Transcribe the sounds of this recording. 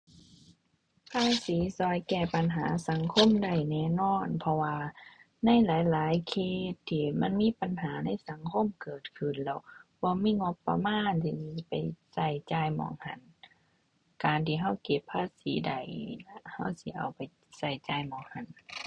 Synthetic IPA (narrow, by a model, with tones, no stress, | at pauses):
pʰaː˧˥˨siː˨˦sɔː˧˦jkɛː˧˩pa˨nɦaː˨˦sa˨˦ŋkʰo˧˥˨mda˨˩jnɛː˧˩˨nɔː˧˥˨npʰɔ˧waː˧ | na˧˥˨jlaː˨˦jlaː˨˦jkʰeː˧˩t̪ʰːiː˧ma˧˥˨nmiː˧˥˨pa˨nɦaː˨˦na˧˥˨jsa˨˦ŋkʰo˧˥˨mkɤː˨˩t̪̚kʰɯ˧˩˨nlɛ˧˩˨wb̥ɔː˧˦miː˧˥˨ŋo˧˥pːa̰˧maː˧˥˨nt̪ʰiː˧˩i˧pa˨˩jsa˧˩jt͡ɕaː˧jmɔ̰ː˧˩ŋha˧˩n | kaː˨nt̪ʰiː˧ɦa˧˥˩wke˧pʰːaː˧˥˨siː˨˦da˨˩jna˧ha˧˩˨wsi˧˦ʔa̰˨˩wpa˨j | sa˧˩jt͡ɕaː˧˩jmɔː˧˩˦ŋha˧˩˨n